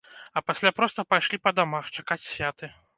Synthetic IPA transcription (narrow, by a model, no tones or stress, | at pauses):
ɐpasʲlʲapɾɔst̪ɐpajʂlʲipɐd̪amaxt͡ʂakat͡sʲsʲvʲat̪ɨ